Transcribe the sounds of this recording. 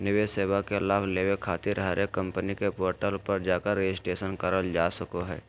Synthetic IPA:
nɪʋeseːʋakelaːbleːʋekʰaːt̪ɪɾɦɾekə̃mpənikepoːɾʈəlpəɾd͡ʒaːkəɾːed͡ʒɪsʈeːʃənkəɾəld͡ʒaːsəkoɦɛ̰ː

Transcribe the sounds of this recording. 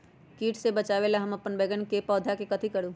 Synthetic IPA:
kiːʈʰsebɐt͡ʃaːʋelaɦɐmɐpːənbɛːɡənkepɔːd̪ʱakekɐt̪ʰikɐɽuː

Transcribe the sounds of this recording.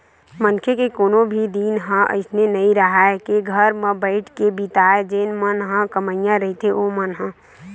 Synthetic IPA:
mənkʰekekoːnõbʱid̪iːnɦə̃ʔə̰ɪsnenəĩɾəɦaɛkeɡʱəɾmə̃bəɪʈʰkebit̪aːed͡ʒeːnmənɦə̃kəməɪjãɾɐɦit̪eʔomənɦə̃

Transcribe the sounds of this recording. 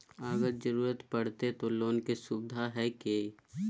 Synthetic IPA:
əɡəɾd͡ʒəɾuːɾət̪pɐɽ̤t̪et̪oloːnkesʊbɪd̪ʱaɦɛke

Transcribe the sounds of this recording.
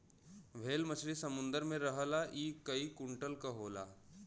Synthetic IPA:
ʋ̤ʱeːlmət͡ʃʰɾisɐmʊ̃nd̪əɾmẽɾɐɦəlaʔiːkəikʊɳʈəlkɐɦoːla̰ː

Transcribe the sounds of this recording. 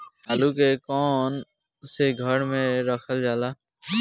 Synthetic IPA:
aːlukekɔːn | seɡʱəɽmẽɾəkʰəld͡ʒaːlaː

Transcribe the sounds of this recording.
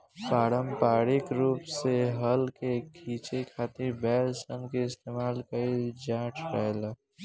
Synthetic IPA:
paːɾəmpaːɽɪkɾuːpseɦəlkekʰiːt͡ʃekʰaːt̪iɾbɛːlsənkeɪst̪eːmaːlkəid͡ʒãːʈʰɾaela

